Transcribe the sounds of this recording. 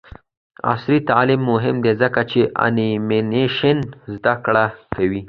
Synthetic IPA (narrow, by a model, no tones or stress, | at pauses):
a̰sɾit̪alimːʊɦɪmd̪ezəkat͡ʃeʔa̰nimɪneʃɪnzd̪akɽakawi